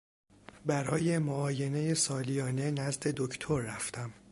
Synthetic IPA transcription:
bæɾɒːje̞moɒːje̞ne̞je̞sɒːlijɒːne̞næzd̪e̞d̪ocʰt̪ʰo̞ɾːæft̪ʰæm

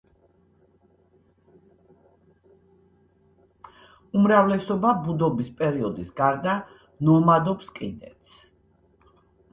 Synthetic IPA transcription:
umɾavlɛsɔbabud̪ɔbispʼɛɾiɔd̪isɡaɾd̪a | nɔmad̪ɔpskʼinɛ̰t̪s

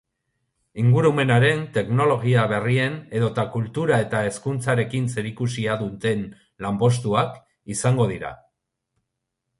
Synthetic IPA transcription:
iŋɡuɾume̞naɾe̞nt̪e̞kno̞lo̞ɣ̞iaβe̞rie̞ne̞ðot̪akult̪uɾae̞t̪ae̞skunt͡saɾe̞kinse̞ɾikusiaðut̪e̞n | lampo̞s̬t̪uak | isaŋɡo̞ð̞iɾa̰

